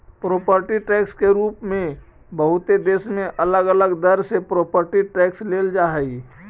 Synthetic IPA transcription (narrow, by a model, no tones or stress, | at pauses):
pɾoːpəɾʈiʈɛːkskeɾuːpmẽ | bəɦʊt̪ed̪eːsmẽʔələɡələɡd̪əɾsepɾoːpəɾʈiʈɛːksleːld͡ʒaːɦɛi